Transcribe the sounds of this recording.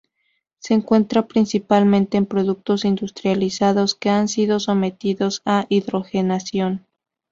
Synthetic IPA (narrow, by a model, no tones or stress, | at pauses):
se̞ːŋkwe̞nt̪ɾapɾinsipalmẽ̞nt̪e̞ːmpɾo̞ðuk̚t̪o̞sind̪ust̪ɾjalisaðo̞ske̞ansiðo̞so̞me̞t̪iðo̞saʔiðɾo̞xe̞nasjo̞n